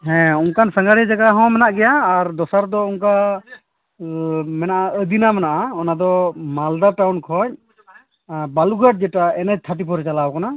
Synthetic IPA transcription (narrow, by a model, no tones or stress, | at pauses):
ɦɛ̃unkansãŋɡaɽɛd͡ʒaɡaɦɔ̃mɛnaʔɡɛjaːɾd̪ɔsaɾd̪ɔunka | mɛnaʔaəd̪inamɛnaʔaɔnad̪ɔmald̪aʈawnkʰɔɲ̚ | baluɡaʈ̚d͡ʒɛʈaɛnɛd͡ʒ̚t̪ʰaʈ̬ipɔɾɛt͡ʃalawkana